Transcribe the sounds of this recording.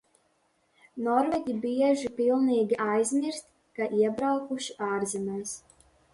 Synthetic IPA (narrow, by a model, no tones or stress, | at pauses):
nɔɾvɛɡʲibiɛʒipilˠniːɡʲiʔajzʲmʲiɾst̪ʲ | kaʔiɛbɾawkuʃiʔaːɾzimɛːs